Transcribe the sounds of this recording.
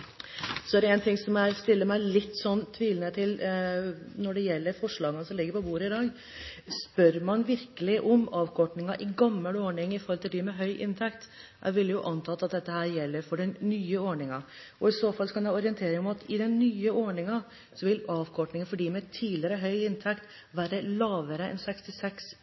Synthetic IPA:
sɔæɾɛnt̪ʰɪŋsɔmæɾst̪ɪlːəmæɪlɪt̪ːsɔnːt̪ʰːʋiːlnət̪ʰɪl | nɔɖɛjɛlːəɾfɔʂɭɑːɡənəsɔmlɪɡːəɾpɔbuːɾəɪd̪ɑːɡ | spœɾmɑnʋɪɾkəlɪʔɔmɑːʋkʰɔʈnɪŋɑʔɪɡɑmːəlɔːɳɪŋɪfɔɾhɔlt̪ʰɪld̪ɪmɛɦœʏʔɪnt̪ʰɛkt̪ʔæ̰ʋɪlːəjʊʔɑnt̪ʰɑːt̪ːɑt̪̚d̪ɛt̪ːəɦæːɾjɛlːəɾfɔɖɛnnyːəɔɳɪŋɑ | ɔɪsoːfɑlːsɔkʰɑnɛɔɾɪənt̪ʰeːɾɪŋɔmɑt̪ɪd̪ɛnːyːəɔɳɪŋɑ | sɔʋɪlɑːʋkʰɔʈnɪŋənfɔɖiːmɛt̪ʰiːlɪəɾəɦœʏɪnt̪ʰɛkt̪ | ʋæːɾəlɑːʋəɾəʔɛ̰nsɛkst̪ɪlsɛks

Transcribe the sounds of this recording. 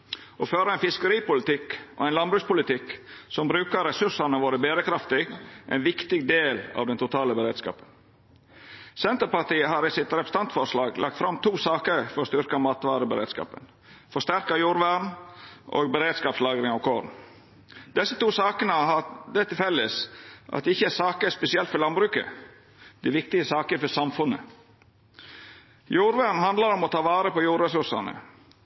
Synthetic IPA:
ɔːføːɾəɛɪnfɪskəɾiːpʊlɪt̪ɪkʔɔ̰æɛnlɑnbɾʉːspʊlɪt̪ʰɪksɔmbɾʉːkəɾɛsʉʂɑnəʋoːɾəbeːɾəkʰɾɑft̪ɪɡʔɛ̰ɪnʋɪkt̪ɪɡd̪eːlɑ̰ʋd̪ɛnt̪ʊt̪ʰɑːləbəɾeːd̪skɑ̰ːpən | sɛnt̪əɾpɑʈ̪iːəɦɑːɾɪsɪt̪ɾɛpɾəst̪ɑnt̪fɔɾʂlɑːɡlʔɑk̚t̪fɾɑmt̪ʰuːsɑːkəɾfɔɾɔst̪ʏɾkɑmɑːt̪ʋɑːɾəbəɾḛːd̪skɑ̰ːpə̰n | fɔʂst̪æɾkɑjuːɾʋæːɳʔo̰ɡbəɾeːd̪skɑːpslɑːɡɾɪŋɑʋkʰoːɾn | d̪̥ɛsːət̪uːsɑːkənəɦɑd̪ɛt̪ɪlfɛlːəsʔɑ̰t̪̚d̪ɛɪçːəæsɑːkəspɛsɪɛlt̪fɔɾlɑnbɾʉːkə̰ | d̪̥ɛʋɪkt̪ɪəsɑːkəfɔsɑmfʉnə̰ | juːɾʋæɾɳ̩hɑnd̪lɑɾɔmɔt̪ʰɑːʋɑːɾəpɔjuːɾɾɛsʉʂɑnə̰

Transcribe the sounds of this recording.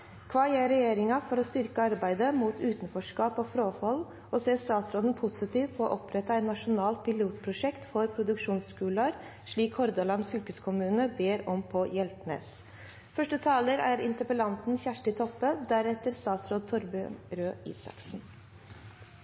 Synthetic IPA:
kʰʋɑːjeːɾɛjeːɾɪŋɑfɔɾɔst̪ʏɾkəɑɾbæɪd̪əmuːt̪ʉːt̪n̩fɔʂkɑːpɔːfɾoːfɔl | ɔseːst̪ɑːt̪sɾoːd̪ən̩pʰʊsɪt̪ʰiːʋpʰɔ̰ːʔɔpɾɛt̪ɑɛt̪nɑʂʊnɑːlt̪̚pʰɪluːt̪pʰɾʊʂɛkt̪fɔɾpʰɾʊd̪ʉkʂuːnskʉːlɑɾ | ʂɭiːkhɔɾd̪ɑlɑnfʏlkəskʰʊmʉːnəbeːɾɔmpʰɔjɛlt̪nḛːs | fœʂʈət̪ʰɑːləɾæɾɪnt̪əpəlɑnt̪n̩çæʂʈɪt̪ʰɔpːəd̪æɾɛt̪əɾst̪ɑːt̪sɾoːd̪̚t̪ʰɔɾbyɾøːḭːsɑ̰ksn̩

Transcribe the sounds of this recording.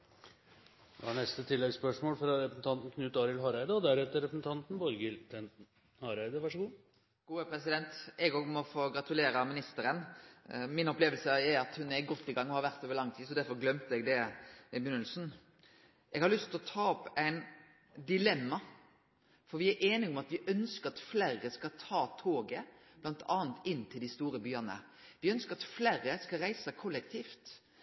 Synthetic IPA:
ɛɑɳɛst̪ət̪ʰɪlːɛɡspœʂmoːlfɾɑɾɛpɾəsn̩t̪ɑnt̪n̩kʰnʉːt̪ɑːɾɪlɦɑːɾæɪd̪əɔd̪æɾɛt̪ːəɾɛpɾəsn̩t̪ʰɑnt̪n̩bɔɾɡɪlt̪ʰɛnn̩ | hɑɾæɪd̪əʋɑʂəɡuː | ɡ̥uːəpʰɾɛsɪd̪ɛnt̪ɛɡoːɡmɔfoːɡɾɑt̪ʉleːɾəmɪnɪst̪əɾən | mɪnɔpleːʋəlsəæɾɑt̪hʉnɛɾɡɔt̪ːɪɡɑŋːʊnhɑɾʋæɾt̪øːʋəlɑŋt̪ʰiːsɔd̪æɾfɔɾɡlœmt̪əɛɡd̪ɛɛbʉnːəlsn̩ | ɛɡhɑɾlʏst̪ʰlɔt̪ʰɑːɔpːæɪn | d̪ɪlɛmːɑ | fɔɾʋɪæɾʔeːnɪɔmɑt̪ʋɪʔœnskəɾɑt̪flæɾəskɑt̪ʰɑːt̪ʰoːɡəb̥lɑnt̪ʰɑːənt̪ɪnːt̪ʰɪld̪ɪst̪uːɾəbyːɑnə̰ | ʋɪœnskəɾɑt̪flæɾəskɑɾæɪsəkʰɔlːɛkt̪ʰiːft̪

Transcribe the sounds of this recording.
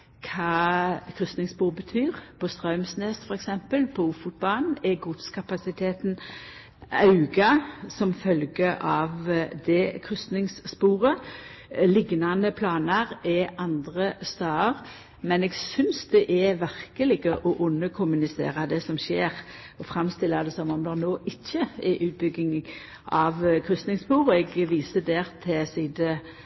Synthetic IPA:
kʰɑːkʰɾʏsnɪŋspuːʁbət̪ʰyːʁpʰɔst̪ʁɑʉmsneːsfɔɾɛksɛmpəlpʰɔufʊt̪̚bɑnɛɡʊt̪skʰɑpɑsɪt̪ʰeːt̪n | ɑʉɡɑsɔmfœlɡəʔɑʋd̪ɛkʰɾʏsnɪŋsspuːʁə | lɪɡnɑnəpʰlɑːnɑɾɛʔɑnd̪ʁəst̪ɑːəʁ | mɛnɛːɡsʏnsd̪ɛʔɛʋæɾkəlɪɡəʔɔʔʊnːəkʰʊmʉnɪsḛːʁɑd̪ɛsɔmʃeːɾ | ɔfɾɑmst̪ɪlːɑd̪ɛsɔmɔmd̪ɛʁnoːʔɪçːəɛʔʉːt̪̚bʏɡːɪŋ | ʔɑʋkʰɾʏst̪nɪŋspuːʁɛɡʋiːsəd̪eːɾt̪ʰɛsiːd̪ə

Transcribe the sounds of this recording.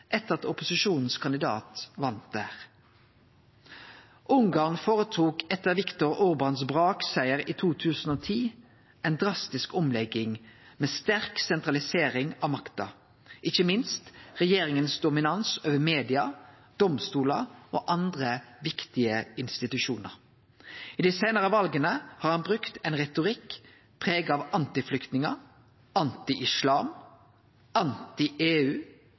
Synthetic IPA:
ʔɛt̪ːəʁɑt̪ʊpʊsɪʃuːnn̩skʰɑnd̪ɪd̪ɑ̰ːt̪ʋɑnt̪̚d̪æːʁ | ʔʊŋɡɑːʁnfoːʁət̪ʰuːkɛt̪ːəʁʋɪkt̪ʊʁʊʁbɑnsbʁɑːksæɪəʁiːt̪ʰuːt̪ʰʉːsn̩oːt̪ʰiː | ʔɛnd̪ʁɑst̪ɪskɔmlɛɡɪŋmeːst̪æʁksɛnt̪ʁɑlɪseːʁɪŋɑʋmɑkt̪ɑ̰ | ʔɪçəmɪnst̪ʁɛjeːɾɪŋənsd̪ʊmɪnɑnsoːʋəmeːd̪ɪɑ | d̪̥ɔmst̪uːləʔoːʔɑnd̪ɾəʋɪkt̪ɪəɪnst̪ɪt̪ʉʃuːnə̰ɾ | ɪd̪isæɪnəʁəʋɑlɡənəhɑɾhɑnbʁʉkt̪ɛnʁɛt̪ʊʁɪkː | pʰʁeːɡɑɑʋɑnt̪ɪflʏkt̪nɪŋə | ɑnt̪ɪʔɪslɑːm | ɑnt̪ɪʔeːʉː

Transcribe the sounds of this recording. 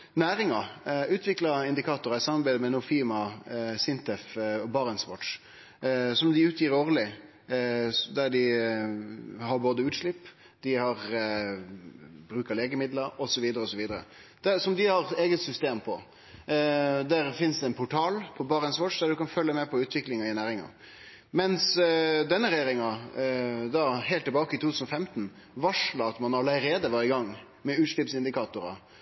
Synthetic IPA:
næːɾɪŋɑʉːt̪ʰʋɪklɑɪnd̪ɪkʰɑːt̪ʊɾɑɪsɑmɑɾbæɪd̪əmɛnʊfiːmɑsɪnt̪ɛfɔbɑːʁənsʋɔ̰ʈʂ | sɔmd̪ɪʉːt̪ʰjiːɾoːʁlɪ | d̪æɖɪ | ɦɑɾboːd̪əʉːt̪ʂlɪpː | d̪̥ɪhɑɾ | bɾʉːkɑleːɡəmɪd̪ləɾɔsɔʋiːd̪əɾəɔsɔʋiːd̪əɾə̰ | d̪̥æsɔmd̪ɪhɑɾeːɡət̪sʏst̪eːmpʰɔ | d̪æɾfɪnsd̪ɛɛnpʰʊʈʰɑːlpʰɔbɑːɾəɛnsʋɔʈʂd̪æd̪ʉkɑnfœlːəmɛpʰɔʉːt̪ʋɪklɪŋɑɪnæːɾɪŋɑ̰ | mɛnsd̪ɛnːəɾɛjeːɾɪŋɑ | d̪ɑːhɛɪlt̪ːɪbɑːkəɪt̪ʰuːt̪ʉːsn̩ɔfɛmt̪n̩ | ʋɑʂlɑɑt̪mɑnɑlæɪɾeːd̪əʋæːɾɪɡɑŋː | mɛʉːt̪ʂlɪpsɪnd̪ɪkɑːt̪ʊɾɑ̰

